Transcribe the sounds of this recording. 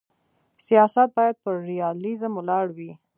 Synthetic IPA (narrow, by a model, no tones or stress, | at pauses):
sijɑsat̪̚bɑjad̪̚pəɾɾijɑlizamʊlɑɽwi